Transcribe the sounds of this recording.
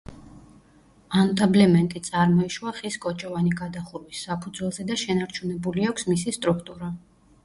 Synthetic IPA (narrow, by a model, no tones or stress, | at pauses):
ant̪ʼablɛmɛnt̪ʼit̪sʼaɾmɔiʃwaχiskʼɔt͡ʃʼɔvaniɡad̪aχuɾwisːapʰud̪zwɛlˠzɛd̪aʃɛnaɾt͡ʃʰunɛbuliakʷʰsmisist̪ʼɾukʰt̪ʼuɾa